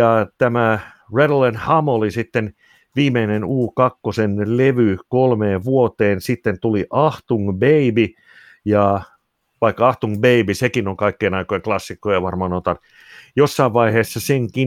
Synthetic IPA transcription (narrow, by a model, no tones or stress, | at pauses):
ɑt̪æmæ | redlenhɑmolisit̪ːen | ʋiːmeinenuːkɑkːosenleʋykolmeːʋuot̪eːnsit̪ːent̪uliʔɑht̪uŋbeibi | jɑ | ʋɑikːɑɑht̪uŋbeibisekinoŋkɑikːeːnɑikojeŋklɑsːikːojɑʋɑrmɑnot̪ɑn | josːɑiʋʋɑiheːsːɑseŋki